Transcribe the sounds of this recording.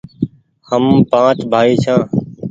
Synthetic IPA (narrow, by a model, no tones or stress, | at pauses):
həmpãːt͡ʃbʱaːiːt͡ʃʰãː